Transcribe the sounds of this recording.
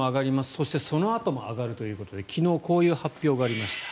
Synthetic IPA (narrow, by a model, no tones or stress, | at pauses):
oaɡaɾʲimasɨ̥so̞ɕi̥t̪e̞so̞no̞at̪o̞mo̞a̰ɡaɾɯ̟t̪o̞jɯ̟ːko̞t̪o̞d̪e̞kʲino̞ːko̞ːjɯ̟ːhapʲjo̞ːɡaːɾʲimaɕi̥t̪ḁ